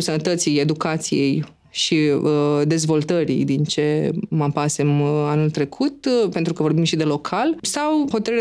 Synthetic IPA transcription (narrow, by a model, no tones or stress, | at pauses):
sənət̪ət̪sije̞d̪ukat̪sḭje̞j | ʃid̪e̞zvo̞lt̪əɾḭd̪int͡ʃe̞mapasemanult̪ɾe̞kʰut̪pe̞nt̪ɾukəvo̞rbimʃid̪e̞lo̞kʰalsawxo̞t̪əɾɨɾ